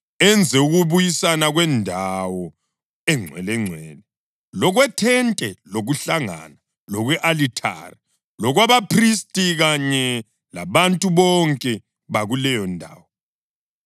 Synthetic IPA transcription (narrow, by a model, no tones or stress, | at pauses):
ɛnd͡zʱɛuɣuβujisanaɣwɛndʱawɔ | ɛŋ͡ǀʱwɛ̰lɛŋ͡ǀʱwɛːlɛ | lɔɣwɛtʰɛntʼɛloɣuɬaŋa̰ːna | lɔɣwɛʔalitʰa̰ri | lɔɣwaβapʰristʼiɣaɲɛ | laβantʼuβɔŋkʼɛ | βaɣulɛjɔndʱa̰ːwɔ